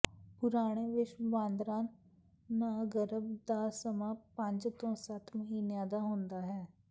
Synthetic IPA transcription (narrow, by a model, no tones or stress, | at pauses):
pʊɾaːɽ̃eːʋɪt͡ʃbãːnd̪ɾaːn | naːɡəɾəbd̪aːsəmãːpə̃ɲd͡ʒt̪õːsət̪məɦiːnjãːd̪aːɦʊ̃ːnd̪aːɦɛː